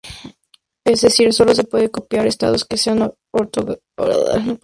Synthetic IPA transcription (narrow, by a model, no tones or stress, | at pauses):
ezðesiɾso̞los̬e̞pweðekopjaɾest̪a̰ðoskesean | oɾt̪oɣ | o̰ɾa̰ða̰no